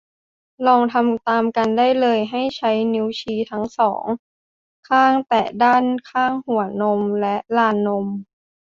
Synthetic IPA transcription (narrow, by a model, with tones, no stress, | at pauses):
lɔː˧ŋt̪ʰa˧mt̪aː˧mka˧ndaː˥˩jlɤː˧jɦa˥˩jt͡ɕʰa˦˥jniː˦˥wt͡ɕʰiː˧t̪ʰa˦˥ŋsɔ̰ː˩˦ŋ | kʰaː˥˩ŋt̪ɛː˨˩daː˥˩nkʰaː˥˩ŋhu˩˦ɐno˧mlɛ˦˥ʔlaː˧nːo˧m